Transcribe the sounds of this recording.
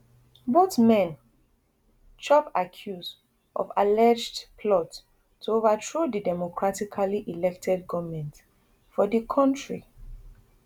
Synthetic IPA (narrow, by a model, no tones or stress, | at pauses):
botmɛ̃n | t͡ʃɔpakʰjuzd | ʔɔ̰va̰lɛd͡ʒdpʰlɔt | tʰuovatʰɹodidɛmokʰɹatikʰaliʔilɛk̚tʰɛdɡɔvəmɛ̃nt | fɔdəkʰɔ̃ntɹḭ